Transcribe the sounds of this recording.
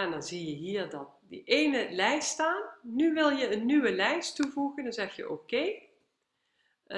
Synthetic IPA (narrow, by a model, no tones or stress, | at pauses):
ɛndɑnzijəɦiːɹdɑt̚də̰ʔejnəlɛjststaːnːyʋɪlˠjəənːyʋəlɛjstuvuɣəndɑnzɛxjə̰ʔokej